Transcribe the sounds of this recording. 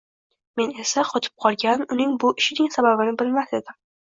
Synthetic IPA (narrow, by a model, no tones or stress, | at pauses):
me̞ne̞saqʰɒt̪ʰɪ̥p̚qʰɒlˠɡʲanʊnɪŋbʊʔɪʃɪnɪŋsababɪnɪbɪlmase̞d̪ɪm